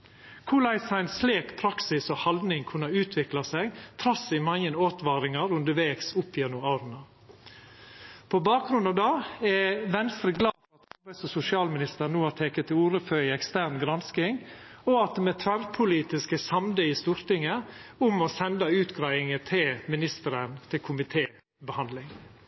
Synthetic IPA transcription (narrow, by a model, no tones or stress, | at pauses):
kʰʊlæɪsæɪnsleːkpʰɾɑksɪsɔhɑld̪nɪŋkʰʉnːɑʉːt̪ʰʋɪklɑsɛɡt̪ʰɾɑsɪmɑŋːənoːt̪ʋɑːɾɪŋɑɾʉnd̪əɾʋeːɡsʊpːɪɛnʊɑʊɾnɑ | pʰɔbɑːk̚ɡɾʉnd̪ɑʋd̪ɑːɛʋɛnst̪ɾəɡlɑːfɔɾɑt̪̚ɑɾbɛsɔsʊsɪɑːlmɪnɪst̪əɾnuːhɑʈ̪ʰeːkət̪ʰːɪuːɾəfœʏɛkst̪æːɾɳɡɾɑnskɪŋɔɑt̪̚d̪ɛmɛt̪ʰʋæɾpʰʊliːt̪ɪskəsɑmd̪əiːst̪uːɾt̪ɪŋəʊmɔsɛnd̪ɑʉːt̪ɡɾæɪɪŋət̪ʰɪlmɪnɪst̪əɾənt̪ʰɪlkʰʊmɪt̪ʰeː | bəhɑnd̪lɪŋ